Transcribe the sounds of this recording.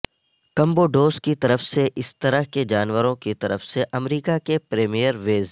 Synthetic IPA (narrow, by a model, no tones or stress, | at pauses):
kɐ̃mboɖoːskit̪ɐɾəfseʔɪst̪ɐɾəɦked͡ʒaːnʋəɾõkit̪ɐɾəfseʔɐmɾiːkakepɾeːmijəɾʋeːz